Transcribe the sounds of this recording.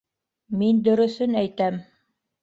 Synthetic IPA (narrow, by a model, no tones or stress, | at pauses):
mind̪ɵ̆ɾɵ̆θɵnæjt̪æm